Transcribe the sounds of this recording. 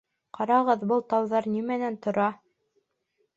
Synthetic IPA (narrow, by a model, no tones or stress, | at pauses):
qɑɾɑʁɤðbɤlˠt̪ɑwðɑɾnimænænt̪ŏɾɑ